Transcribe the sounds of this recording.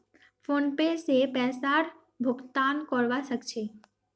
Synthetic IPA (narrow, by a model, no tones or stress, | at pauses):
fʰoːnpesepɛːsaːɾ | bʱʊɡt̪aːnkɔɾʋasəkt͡ʃʰeː